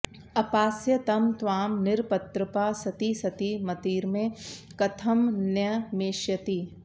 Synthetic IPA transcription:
ɐpaːsjɐt̪ɐmt̪ʋaːmnɪɾpɐt̪ɾɐpaːsɐt̪isɐt̪imɐt̪iːɾmẽkɐt̪ʰɐmnjɐmeːʃjɐt̪i

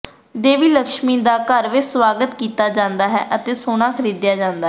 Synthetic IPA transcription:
d̪eːʋiːləkʃmiːd̪aːkəɾʋɪt͡ʃswaːɡət̪kiːt̪aːd͡ʒãːnd̪aːɦɛ̰ːʔət̪eːsoːñãːkʰəɾiːd̪ɪjaːd͡ʒãːnd̪aː

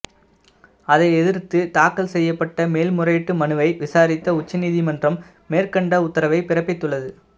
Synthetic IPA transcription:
ɐðɐɪɛðɪɾt̪ɯt̪aːkːɐlsɛjːɐpːɐʈːɐmeːlmʊrɐjʈːɯmɐnɯʋɐɪʋɪsaːɾɪt̪ːɐʊt͡ʃːɐniːðimɐndrɐmː | eːrkɐɳɖɐʊt̪ːɐɾɐʋɐɪpɪrɐpːɪt̪ːɯɭːɐðɯ

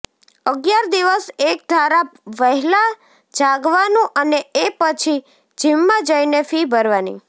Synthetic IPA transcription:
əɡjaɾd̪iʋəsek̚d̪ʱaɾaʋəɦɛla | d͡ʒaɡʋanũʔəneepət͡ʃʰi | d͡ʒʱimːãd͡ʒəinefibʱəɾʋanḭ

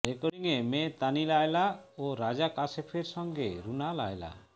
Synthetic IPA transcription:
ɾekɔɽiŋemet̪anilajlaoɾad͡ʒakasepʰeɾsɔŋɡeɾunala̰jela̰

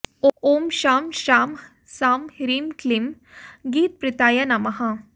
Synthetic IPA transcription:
oʔoːmʃaːmʃaːm | saːmhɾimklim | ɡiːt̪̚pɾɪt̪aːjɐnɐmɐɦɐ̃

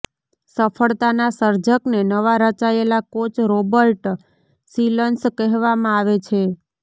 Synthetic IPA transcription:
səfʰəɭt̪anasəɾd͡ʒəknenəʋaɾət͡ʃaelakot͡ʃɾobəɾʈ | silənskɛɦʋamãaʋet͡ʃʰe

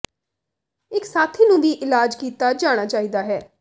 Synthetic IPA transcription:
ɪksaːt̪ʰiːnũːʋiːʔɪlaːd͡ʒkiːt̪aːd͡ʒaːɽ̃aːt͡ʃaːiːd̪aːɦɛː

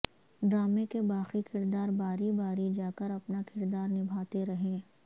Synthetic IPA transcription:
ɖɾaːmekebaːxikʰɪɾd̪aːɾbaːɾibaːɾid͡ʒaːkəɾɐpnakʰɪɾd̪aːɾnɪbʱaːt̪eɾɐɦẽː

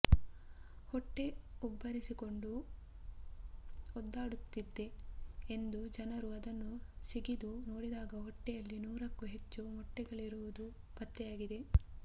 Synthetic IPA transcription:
hɔʈːe̞ubːɐɾisiko̞ɳɖu | ɔd̪ːaːɽut̪ːid̪ːe̞end̪ud͡ʒɐnɐɾuɐd̪ɐnːusiɡid̪uno̞ːɽid̪aːɡɐɦɔʈːɛjɐlːinuːɾɐkːuɦe̞t͡ʃːumɔʈːɛɡɐɭiɾuʋud̪u | pɐt̪ːɛjaːɡid̪e̞

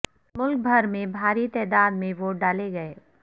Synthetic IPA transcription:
mʊlk̚bʱɐɾmẽbʱaːɾit̪ɛːd̪aːd̪mẽʋoːɖaːleɡɐeː

